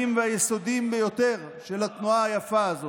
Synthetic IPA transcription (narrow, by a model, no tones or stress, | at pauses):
imveajeso̞d̪imbejo̞t̪e̞ʁ | ʃelat̪nuaajafaːzo